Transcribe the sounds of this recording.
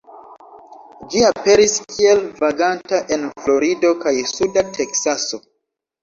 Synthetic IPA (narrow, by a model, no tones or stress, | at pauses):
d͡ʒiape̞ɾiskʰie̞lvaɡantaʔe̞nflo̞ɾido̞kajsudatʰe̞ksaso̞